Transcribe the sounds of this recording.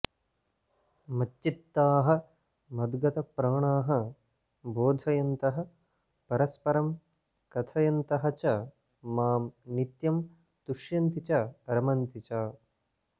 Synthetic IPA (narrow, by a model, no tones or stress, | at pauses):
mɐt͡ʃt͡ʃːit̪ːaːɦɐ̆ | mɐd̪ɡɐt̪ɐpɾaːɳaːɦɐ | boːd̪ʱɐjɐnt̪ɐɦɐ̆ | pɐɾɐspɐɾɐm | kɐt̪ʰɐjɐnt̪ɐɦɐt͡ʃɐ | maːmnit̪jɐm | t̪uʂjɐnt̪it͡ʃɐɐɾɐmɐnt̪it͡ʃaː